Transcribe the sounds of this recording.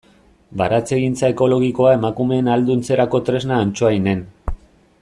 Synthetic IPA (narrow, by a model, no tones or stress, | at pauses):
baɾat͡se̞ɣint͡sae̞ko̞lo̞ɣ̞iko̞ae̞makume̞ːnald̪unt͡se̞ɾako̞t̪ɾe̞znaːnt͡ʃoaine̞n